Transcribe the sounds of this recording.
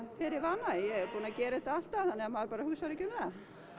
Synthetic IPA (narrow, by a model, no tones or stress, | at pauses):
fɪɾɪɾvanːajɛɛɾpuːnacɛːɾɪɛt̪ːaal̥t̪ːaθanːɛamaɾpaːɾahuɣsaɾɛcʏmɛða